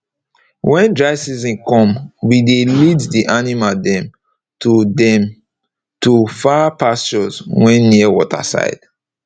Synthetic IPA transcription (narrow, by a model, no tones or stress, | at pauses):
wɛ̃ndɹasizĩnkɔ̃mwideliddiʔanimadɛ̃m | tʰudɛ̃m | tufapast͡ʃɔzwɛ̃nːiəwɔtʰa̰sa̰ɪd̥